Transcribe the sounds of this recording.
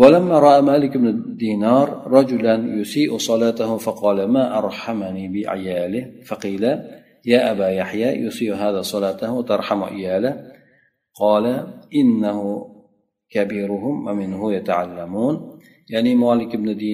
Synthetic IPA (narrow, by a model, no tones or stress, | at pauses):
walamːaːɾˤɑʔamaːlɪkbnɪd̪iːnɑːɾˤːɑd͡ʒʊlanjʊsiːʔsˤɑlɑːt̪ahʊfɑqɑːlamaːʔɑɾˤħamniːbɪʔa̰ʕjaːlɪhfɑqiːla | jaːʔabaːjaħjaːjʊsiːʔɦaːðaːsˤɑlɑːt̪aht̪ɑɾˤħam̰ʕɪ̰jaːla | qɑːlaʔɪnːahʊ | kabiːɾʊhʊmwamɪnɦʊjat̪aʕalːamuːn | jaʕnimaːlɪkɪbnɪd̪iː